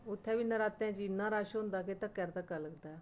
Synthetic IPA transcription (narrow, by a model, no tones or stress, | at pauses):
ʊt̪ʰːɛːʋiːnəɾaːt̪ɛ̃ːd͡ʒiɪnːãːɾaːʃɦʊ̃nd̪aːket̪ãːkɛːɾd̪aːkəɾləɡd̪aː